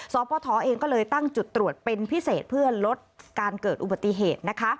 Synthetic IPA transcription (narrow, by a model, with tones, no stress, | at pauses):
sɔː˨˦pɔː˧t̪ʰɔː˩˦ʔeː˧ŋkɔː˥˩lɤː˧jt̪a˥˩ŋt͡ɕu˨˩t̪ːɾu˨˩ət̪̚pe˧npʰi˦˥seː˨˩t̪̚pʰɯ˥˩ɐlo˦˥t̪̚kaː˧nkɤː˨˩t̪̚ʔu˨˩ba˨˩t̪ːi˨˩ɦeː˨˩t̪̚na˦˥kʰa˦˥ʔ